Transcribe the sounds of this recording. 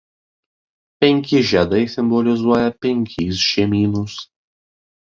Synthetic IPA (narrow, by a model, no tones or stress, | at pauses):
pʲɛŋʲkʲɪʒʲɛd̪ɐɪsʲɪmbɔlʲɪzuɔjɛpʲɛŋʲkʲiːsʃʲeːmʲiːnuːs